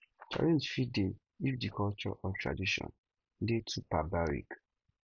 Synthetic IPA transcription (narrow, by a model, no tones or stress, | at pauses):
t͡ʃa̰ɹɛ̃nsfide | ifdikʰɔlt͡ʃɔ̰ʔɔtʰɹa̰diʃɔ̰̃n | detʰupabaɾḭk